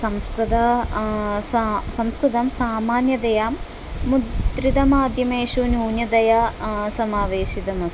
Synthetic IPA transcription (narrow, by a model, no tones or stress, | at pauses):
sɐmskɾud̪ɐ | sɐmskɾut̪ɐmsaːmaːnjɐd̪ɐjaːmː | udd̪ɾid̪ɐmaːd̪ʱjɐmeːʃunuːnjɐd̪ɐjɐsɐmaːʋeːʃid̪ɐmɐs